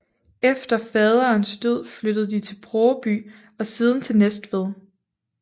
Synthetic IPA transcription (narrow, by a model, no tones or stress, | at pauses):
efd̥ɐfɛð̞ˠɐːnsd̥øð̞̰ˠflød̥əð̩ˠd̥it͡sʰe̝lb̥ʰʁɒːb̥y̰ː | ɒ̽siːð̞ˠn̩t͡sʰe̝lnesd̥ʋeðˠ